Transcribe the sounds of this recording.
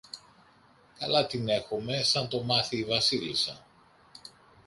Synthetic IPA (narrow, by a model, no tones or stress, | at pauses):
kɐlɐt̪ine̞xome̞sɐnt̪o̞mɐθiːvɐsilisɐ